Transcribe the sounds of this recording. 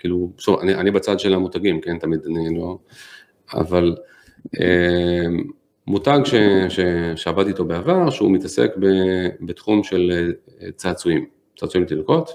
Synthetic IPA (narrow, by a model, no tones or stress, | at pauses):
kiːluʃova̰niʔanibat͡sad̪ʃelamutaɡimke̞ntamidanilo̞ | a̰val | e | mutaɡʃeʃeʃeabatito̞beavaʁʃeṵmitasḛkbebetχumʃe̞l | t͡saːt͡suim | t͡saːt͡suimt̪ilko̞t